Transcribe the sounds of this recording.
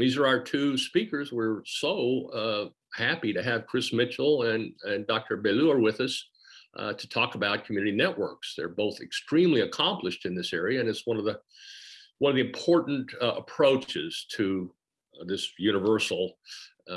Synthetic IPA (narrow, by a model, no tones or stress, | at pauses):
ðizə˞aʊə˞tʰʉspikə˞zwɪɹsoʊ | hæpiɾɨɨv̥kʰɹ̥ɪsmɪt͡ʃl̩ˠɨ̃nɨ̃ndɑk̚tʰə˞beluə˞wɪðʌs | tʰɨtʰɔkəbaʊt̚kʰmjʉnɨɾinɛʔwɜ̰˞ksðə̰˞boʊθɨkstɹ̥ĩmliɨkʰɑ̃mplɨʃtɨ̃nðɪsɛɹiɨɨ̃nɨtswʌ̃nʌvðə | wʌ̃nʌvðiɨ̃mpʰɔɹʔn̩tə̰pʰɹ̥oʊt͡ʃɪz̥tʰɨ | ðɪsjʉñɨvɜ˞sl̩ˠ